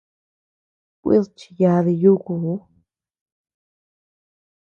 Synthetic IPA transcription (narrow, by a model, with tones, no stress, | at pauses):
kʷḭ˦ðt͡ʃi̥˧ja˧ði˧ju˦ku˨u˦